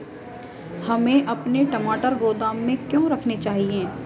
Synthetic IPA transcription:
hɐmẽʔɐpneʈɐmaːʈəɾɡoːd̪aːmːẽkjõːɾɐkʰnet͡ʃaːɦieː

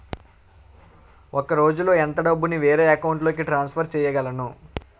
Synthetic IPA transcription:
okɐɾo̞ːd͡ʒulo̞ːent̪ɐɖɐbːuniʋeːɾeːɐkɐwuɳʈlo̞ːkiʈɾaːnspʰɐɾt͡ʃɛːjɐɡɐlɐnu

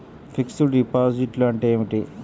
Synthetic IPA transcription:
fʰiksuɖipaːd͡ʒiʈloɐɳʈeːmiʈi

